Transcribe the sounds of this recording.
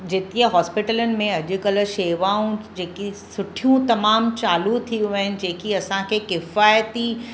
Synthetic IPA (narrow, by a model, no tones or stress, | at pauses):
d͡ʑeːt̪iəɦɔːspɪʈələnɪ̆mẽɐʄʊ̆ɡɐl̆ʃeːʋaːũd͡ʑeːkisʊʈʰijũt̪ɐmaːmt͡ɕaːlut̪ʰiũʋɐɦɪnɪ̆d͡ʑeːkiɐsãkʰekɪfaːjt̪i